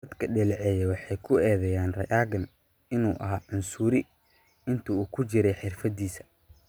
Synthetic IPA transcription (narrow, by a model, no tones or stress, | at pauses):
ɐd̪kʰɐɖɪlʕɛjɛwɑħɑjkʰʊɛːðɛjaːnrɐ̰ʔaːɣɐn | ɪnuːʔɐ̰ɦaːʕʊnsʊɾɪ | ɪnt̪ʰɐuːkʰʊt͡ʃɪɾɛjħɪrfɐd̪iːsɐ̥